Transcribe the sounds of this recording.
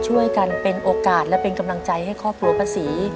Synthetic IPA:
t͡ɕʰu˥˩əjka˧npe˧nʔoː˧kaː˨˩t̪̚lɛ˦˥pe˧nka˧mla˧ŋt͡ɕa˧jɦa˥˩jkʰɔː˥˩p̚kʰu˧ɐpʰaː˧siː˩˦

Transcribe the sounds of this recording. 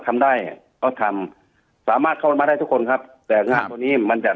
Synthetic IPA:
t̪ʰa˧mdaː˥˩j | ʔɔː˧˩t̪ʰa˧m | saː˩˦maː˧˩kʰa˧˩˧ma˧ɾaː˥˩j̪t̪u˦˥kʰo˧nkʰa˦˥p̚t̪ɛː˨˩ŋaː˧˨nu˧niː˦˥˩ma˧nt͡ɕa˨˩

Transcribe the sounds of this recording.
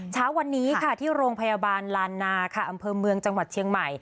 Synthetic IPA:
t͡ɕʰaː˦˥wːa˧nːiː˦˥kʰa˥˩t̪ʰiː˥˩ɾoː˧ŋpʰa˧jaː˧baː˧nlaː˧nːaː˧kʰa˥˩ʔa˧mpʰɤː˧mɯ˧əŋt͡ɕa˧ŋwa˨˩t̪̚t͡ɕʰi˧əŋma˨˩j

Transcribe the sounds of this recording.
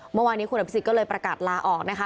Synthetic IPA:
mɯ˥˩˨waː˧nːiː˦˥ku˧na˧˩psi˨˩kɔ˥˩ɤː˧jpɾa˧kaː˨˩t̪̚laː˧ʔɔː˨˩k̚na˦˥kʰa˦˥

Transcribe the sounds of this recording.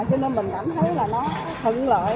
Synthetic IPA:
t͡ɕɔ˧ne˧nmï˨˩ŋ̟kaː˧˩mt̪ʰə˨˦jlaː˨˩nɔ˨˦ | t̪ʰə̰˧˨ŋlə̰ː˧˨

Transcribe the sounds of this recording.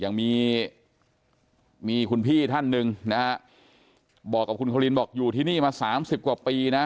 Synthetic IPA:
jaː˨˩ŋmiː˧ | miː˧kʰu˧npʰiː˥˩t̪ʰa˥˩nːɯ˧ŋna˦˥ha˦˥ʔ | bɔː˨˩kːa˨˩kʰu˧nkʰa˧li˧nbɔː˨˩k̚juː˨˩t̪ʰiː˥˩niː˥˩maː˧saː˩˦msi˨˩p̚kwaː˨˩piː˧na˦˥

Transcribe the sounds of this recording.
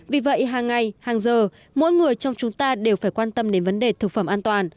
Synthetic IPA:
vi˨˩və̰˧˨jɦaː˨˩ŋːa˨˩jhaː˨˩ŋzəː˨˩ | mo̰˧˥˦jŋɨ˨˩əjt͡ɕɔ˧wŋ͡mt͡ɕʊ˨˦ŋ͡mt̪aː˧ɗe˨˩wfaː˧˩jkwaː˧nt̪ə˧mɗe˨˦nvə˨˦nɗe˨˩t̪ʰɨ˨˩k̚fə˧˩mʔaː˧nt̪waː˨˩n

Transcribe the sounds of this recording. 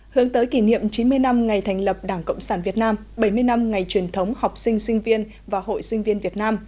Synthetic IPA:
hɨ˨˦əŋt̪əː˨˦jki˧˩nḭ˧˨əmt͡ɕi˨˦nmɨ˧əjna˧mŋa˨˩jt̪ʰɛ˨˩jŋ̟lə˨˩p̚ɗaː˧˩ŋkə̰˧˨wŋ͡msaː˧˩nvi˨˩ət̚naː˧m | ɓə˧˩jmɨ˧əjna˧mŋa˨˩jt͡ɕwi˨˩ənt̪ʰə˨˦wŋ͡mha˨˩wk͡p̚sï˧ŋ̟sï˧ŋ̟vi˧ən | vaː˨˩ho̰˧˨jsï˧ŋ̟vi˧ənvi˨˩ət̚naː˧m

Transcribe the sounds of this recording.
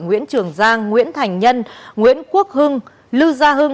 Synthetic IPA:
ŋwḭ˧˥ənt͡ɕɨ˨˧˩əŋzaː˧ŋːwḭ˧˥ənt̪ʰa˨˩jŋ̟ɲə˧nŋwḭ˧˥ənku˦˥ək̚hɨ˧ŋ | lɨ˧zaː˧ɦɨ˧ŋ

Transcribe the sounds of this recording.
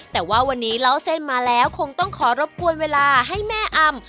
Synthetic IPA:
t̪ɛː˨˩waː˥˩wa˧nːiː˦˥ɾa˦˥˩wse˥˩nmaː˧lɛː˦˥wkʰo˧ŋt̪ɔ˥˩ŋkʰɔː˩˦ɾo˦˥p̚ku˧ənweː˧laː˧ɦa˥˩jmɛː˥˩ʔa˧m

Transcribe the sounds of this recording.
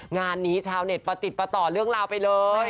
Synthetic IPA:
ŋaː˧nːiː˦˥t͡ɕʰaː˧wne˨˩t̪̚pa˧t̪i˨˩pa˧t̪ɔː˨˩lɯ˥˩əŋɾaː˧wpa˧jlɤː˧j

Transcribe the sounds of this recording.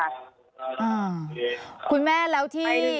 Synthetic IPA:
ʔaː˧˩ | kʰu˧˥nmɛː˥˩lɛː˨˦˥wt̪ʰiː˦˥˩

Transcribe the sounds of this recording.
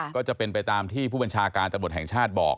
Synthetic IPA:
kɔː˥˩t͡ɕa˨˩pe˧npa˧jt̪aː˧mt̪ʰiː˥˩pʰuː˥˩a˧nt͡ɕʰaː˧kaː˧nt̪mu˨˩t̪hɛ˨˩ŋt͡ɕʰaː˥˩t̪̚bɔ̰ː˨˩k̚

